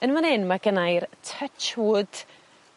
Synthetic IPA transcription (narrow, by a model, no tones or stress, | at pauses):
ənmanɛnmaɡənajrtʰət͡ʃʊd̥